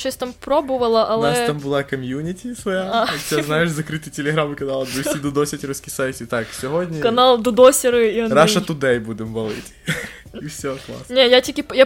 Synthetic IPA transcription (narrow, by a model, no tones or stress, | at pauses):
ɕasʲt̪ampɾobɨvəlˠɐʔɐlˠnaɛst̪ambɨlˠakɐmʲjunʲɪtʲɪsʋɐjaaeznajɪʂzɐkɾɨt̪ɨjtʲɪlʲɪɣɾamɨkɐnalˠd̪uid̪ʊd̪osʲɪt̪ʲɪɾuskʲijsaɪt̪ʲɪt̪akfsʲɪvodʲnʲəkɐnalˠd̪ʊd̪osʲɪɾɨiɾaʂɐt̪ʊd̪ɛjbud̪ʲɪmbɐlˠɨ̰tʲ | ifsʲoklˠa̰snʲejatʲikʲija